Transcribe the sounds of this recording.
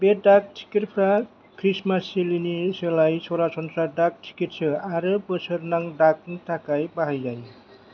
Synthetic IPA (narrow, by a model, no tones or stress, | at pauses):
beɖak̚ʈʰi̥kiɾpʰɾa | kʰɾismaselinisʌlajsoɾasɔnsɾaɖak̚ʈʰi̥kiʈ̚t͡ʃʰʌaɾɯpəsʰʌɾnaŋɖakntʰakajbaɦajd͡ʒaj